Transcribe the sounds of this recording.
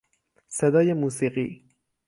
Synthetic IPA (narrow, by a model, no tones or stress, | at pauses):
sed̪ɒːjemuːsiːɢḭː